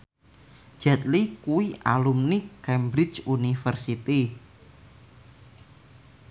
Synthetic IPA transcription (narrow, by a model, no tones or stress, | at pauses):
d͡ʒ̥ɛt̪̚likuwiʔa̰lumnikːɛmbɾit͡ʃunifərsit̪i